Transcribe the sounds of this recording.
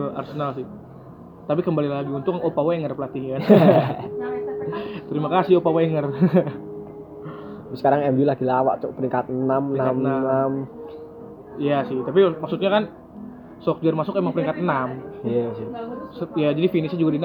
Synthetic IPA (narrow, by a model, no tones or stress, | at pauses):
la̰rsənalsɪh | t̪apikəmbalilaɡiunt̪ʊkopaweŋərpəlat̪iɲkan | t̪əɾimakasɪhopaweŋər | sə̥kaɾaŋɛmbilaɡilawa̰ʔt͡ʃɔ̰ʔpəɾiŋkat̪̚namnaamnanam | ijasɪht̪apimaksut̪̚ɲakan | sɔk̚d͡ʒərmasʊkemaŋpəɾiŋkat̪namjasɪsəjad͡ʒadifinisɲad͡ʒuɡadin